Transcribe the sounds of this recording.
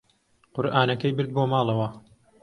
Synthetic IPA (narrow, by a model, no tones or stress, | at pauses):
qʊɾʔaːnɐkɐjbɨɾd̪̚boːmɑːlˠɐwɐ